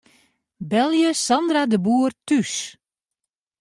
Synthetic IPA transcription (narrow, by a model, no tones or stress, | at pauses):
bɛlˠjəsɑndradəbuːərtys